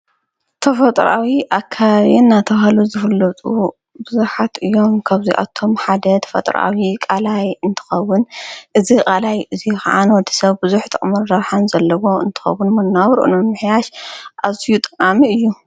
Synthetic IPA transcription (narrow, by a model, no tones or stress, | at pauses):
t̪ʰɐfɐt̪ʼɾa̰wiʔakʰːaβaβinːat̪ʰɐβahluzɨfɨlːɐt̪ʼu | bɨzuħat̪ɨjːo̞mkʰaβziʔa̰t̪ʰo̞mħad̪ɐt̪ʰɐ̥fɐ̰t̪ʼɾʔa̰wikʼalajɨnt̪ʰɨ̥xɐwːʊnʔɨzikʼalajɨzixa̰ʕanwɔd̪ːi̥sɐβbɨzuħt̪ʰɐχʼmɐɾːɐɾħanzɐlːɐwo̞ɨ̰nt̪ʰɨ̥xɐ̰wːʊnmɐnːawɾʔṵnnmɨħjaʃʔazijut̪ʼɨqʼamiɨjːu